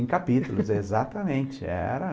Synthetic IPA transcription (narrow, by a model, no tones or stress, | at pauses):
kapit̪ʊlʊzezat̪ɐmẽnt͡ʃɪɛ̰ɾɐ